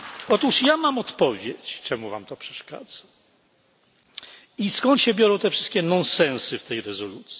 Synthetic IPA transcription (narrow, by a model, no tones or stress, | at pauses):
ɔt̪uʂjamamɔt̪pɔvʲjet͡ɕt͡ʂɛmuva̰mt̪ɔpʂɛ̥ʂka̰d̪z̥ḁ | iskɔnt̪ɕɛbʲjɔɾɔ̃w̃t̪ɛfʂɘst̪kʲɛnɔnsɛ̃nsɘft̪ɛjɾɛzɔlut̪sʲ